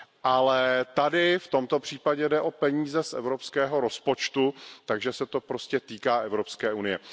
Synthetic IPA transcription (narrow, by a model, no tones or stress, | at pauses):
ʔalɛt̪adɪft̪o̞mt̪o̞pr̝̥iːpaɟɛdɛʔo̞pɛɲiːzɛsʔɛ̰vɾo̞pskɛːɦo̞ɾo̞spo̞t͡ʃt̪ut̪aɡʒɛsɛt̪o̞pɾo̞scɛt̪iːkaːʔɛvɾo̞pskɛːʔunɪjɛ